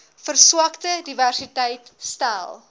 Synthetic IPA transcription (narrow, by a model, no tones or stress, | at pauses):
fərsuəktədiværsitɛjtstælˠ